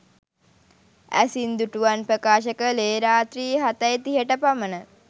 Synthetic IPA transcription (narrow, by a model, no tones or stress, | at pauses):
æ̰sind̪uʈuʋanpɾəkaːʃəkəleːɾaːt̪ɾiːɦat̪əjt̪iɦəʈəpamənə